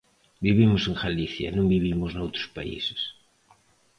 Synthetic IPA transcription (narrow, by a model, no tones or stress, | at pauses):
biβimʊseŋxaliθjɐ̰nõŋbiβ̞imʊznowt̪ɾʊ̥spa̰ḭse̥s